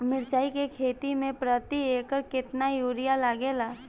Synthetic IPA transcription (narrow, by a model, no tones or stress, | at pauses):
mɪɾt͡ʃaːikekʰeːt̪imẽpɾət̪ieːkəɾkɪt̪najuːɾɪjalaɡeːlaː